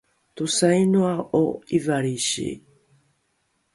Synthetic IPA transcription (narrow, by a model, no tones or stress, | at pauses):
t̪usajnuaoivaɾiɕḭ